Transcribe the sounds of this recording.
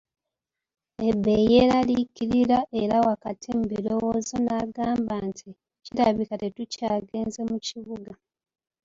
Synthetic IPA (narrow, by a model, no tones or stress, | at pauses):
e̞bːe̞jeɾalikiɾiɾaʔe̞ɾawakatʰembilo̞woːzonaɡaːmbaːntʰi | ciɾaβikate̞tucaːɡe̞ːnze̞muciβuɡa